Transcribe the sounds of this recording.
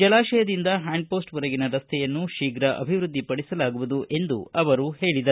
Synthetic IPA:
d͡ʒɐlaːʃɛjɐd̪ind̪ɐɦaːɳɖ̚po̞ːsʈʋɐɾɐɡinɐɾɐst̪ʰɛjɐnːuʃiːɡɾɐʔɐ̰bʱiʋɾud̪ːipɐɽisɐlaːɡuʋud̪uʔʔe̞nd̪uɐʋɐɾuhe̞ːɭid̪ɐ

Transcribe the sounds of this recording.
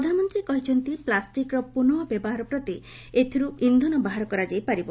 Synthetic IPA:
pɾɔd̪ʱanɔmɔnt̪ɾikɔɦit͡ʃʰɔnt̪iplasʈikɾɔpunɔɔbjebɔɦaɾɔpɾɔt̪i | et̪ʰiɾuind̪ʱɔnɔbaɦaɾɔkɔɾad͡ʒajpaɾibɔ

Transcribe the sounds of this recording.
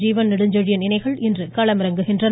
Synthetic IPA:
d͡ʒiːʋɐnnɪɽɯɲd͡ʒɐɻɪjɐnɪnɐɪɣɐɭɪndrɯkɐɭɐmɪɾɐŋɡɯɣɪndrɐ

